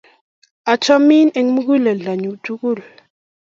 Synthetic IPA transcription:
a˨t͡ʃɔ˦mi˦ne˦ŋ˦mu˦ku˦lɛ˨ɮa˨ɲu˨tu˦ku˦˨l

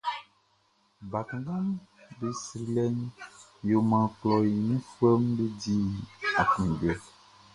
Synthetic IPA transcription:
ba˨kã˨ɡã˦m˦be˨sɾi˨lɛ˦ɲ˦jo˨mã˨k͡plɔ˨ji˨ɲũ˦fu˦ɛ˦m˦be˦di˦a˨kĩ˨ɖɛ˨

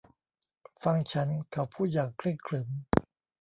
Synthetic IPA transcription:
fa˧ŋt͡ɕʰa˦˥nkʰa˨˩wpʰuː˥˩jaː˨˩ŋkʰlɯ˥˩ŋkʰlɯ˩˦m

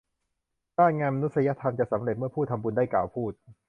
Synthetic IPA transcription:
taː˥˩nŋaː˧nma˧nu˦˥t̪̚sa˧ja˦˥t̪ʰa˧mt͡ɕa˨˩ʔsa˩˦mɾe˨˩t̪̚m˥˩ɐpʰuː˥˩t̪ʰːa˧mbu˧ndaː˥˩jkaː˨˩wpʰuː˥˩t̪̚

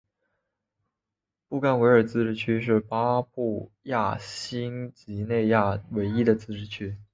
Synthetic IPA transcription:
pu˥˩ka˥˩nwe˧˥ɪə˞˨˩t͡sɹ̩˥˧ʈ͡ʂɻ̩˥˩t͡ɕʰy˥ʂ̬ɻ̩˥˩pa˥pu˥˧ | ja˥˩ɕi˥ŋt͡ɕi˧˥ne˥˧ɪja˥˩we˧˥ɪi˥d̪ə˨t͡sɹ̩˥˧ʈ͡ʂɻ̩˥˩t͡ɕʰy˥

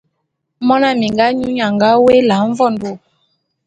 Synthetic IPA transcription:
mɔ̃˦na˦˨mĩ˨ŋɡa˦ɲũ˦ɲã˨ŋɡa˦we˦la˨˦ɱ̩˦vɔ˦˨ndu˨

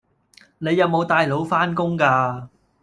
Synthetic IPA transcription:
ne˨˧jɐ˨˧wmo˨˧wt̪aː˧jlo˨˧wfaː˥nkʊ˥ŋkaː˧

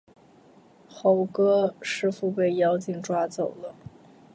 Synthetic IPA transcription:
xo˧˥ʊkɤ˥ʂɻ̩˥˧fu˥˧pe˥˩ɪjɑ˥ʊt͡ɕi˨˩ŋʈ͡ʂwa˥t͡so˨˩ʊd̪ə˦

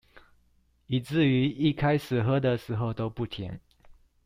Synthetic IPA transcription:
i˨˩t͡sɹ̩˥˨y˧˥i˥˩kʰa˥ɪʂɻ̩˨˩xɤ˥d̪ə˨ʂɻ̩˧˥xo˥˧ʊt̪o˥ʊpu˥˩t̪ʰjɛ˧˥˦ŋ

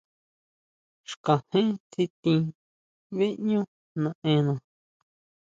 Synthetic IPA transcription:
ʂka˨hẽ˦t͡si˧t̪ĩ˧ | βe˦ʔɲũ˦ | nã˨ʔẽ˧nã˨

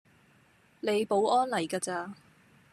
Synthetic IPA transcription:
le˨˧jpo˨˥wʔɔː˥nlɐ˨˩jkaː˧t͡saː˧

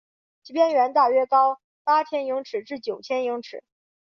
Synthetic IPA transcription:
t͡ɕi˧˥pjɛ˥nɥɛ˧˥nt̪a˥˩ɥɛ˥kɑ˥ʊ | pa˥t̪ʰjɛ˥nji˧˥ŋʈ͡ʂʰɻ̩˨˩ʈ͡ʂɻ̩˥˩t͡ɕjo˨˩ʊt͡ɕʰjɛ˥nji˧˥ŋʈ͡ʂʰɻ̩̰˨˩˦

